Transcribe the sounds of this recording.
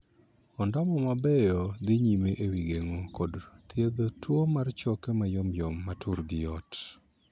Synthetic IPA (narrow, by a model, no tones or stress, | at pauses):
ɔndɔmɔmabɛjɔd̪ɪɲimeʔewiɡeŋokɔdt̪jed̪otwomart͡ʃɔkemajɔmjɔmːatʰʊɾɡɪjɔt